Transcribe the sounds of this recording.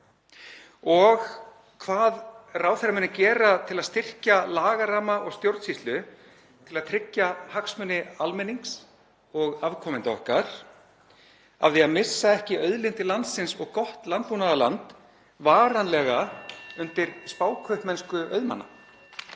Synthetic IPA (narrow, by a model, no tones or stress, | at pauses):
ɔɣ | kʰvaːðraːwθeɾamɛnːacɛːɾat̪ʰɪlaðst̪ɪr̥calaːɣaɾaːmaʔɔɣst̪jowɾt̪sist̪lʏ | t̪ʰɪlaðt̪ʰɾɪcːahaksmʏnːɪalmɛniŋks | ɔɣavkʰɔmɪnt̪ɔ̰hkaɾ̥ | a̰vðiaðmɪsːaɛhcɪœɥðlɪnt̪ɪlant̪sɪnsɔɣkɔht̪lant̪̚puːnaðala̰nt̪ | vaːɾanlɛɣaʏnt̪ɪɾspaːwkʰœhpmɛnskʏœ̰ɥðma̰nːa̰